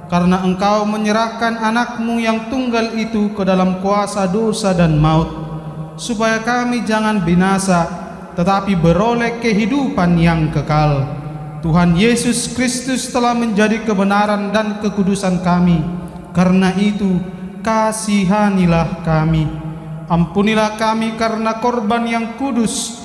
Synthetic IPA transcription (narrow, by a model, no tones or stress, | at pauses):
kaɾənaəŋkawməɲəɾahkananak̚mujaŋt̪uŋɡalit̪ukədalamkuasadosadanmaʊt̪̚ | supajakamid͡ʒaŋanbinasa | t̪ət̪apibəɾolɛkəɦidupanjaŋkəkal | t̪uɦanjesuskɾist̪ust̪əlahməɲd͡ʒadikəbənaɾandankəkudusankami | karnaʔit̪u | kasiɦanilahkami | ampunilahkamikarnakɔrbanjaŋkudus